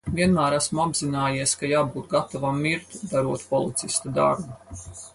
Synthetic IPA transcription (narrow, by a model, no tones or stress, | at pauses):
vʲiɛnmæːɾæsmuabzinaːjiɛskajaːbuːt̪ɡat̪ɔvamːiɾt̪d̪aɾuɔt̪pɔlˠit̪sist̪ad̪a̰ɾbu